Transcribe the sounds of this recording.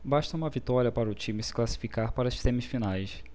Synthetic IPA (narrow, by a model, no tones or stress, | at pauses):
baʃt̪ɐũmɐvit̪ɔɾiɐpaɾɐʊt͡ʃĩmɪsɪ̥klasi̥fikaɾpaɾɐssẽmɪsfinajs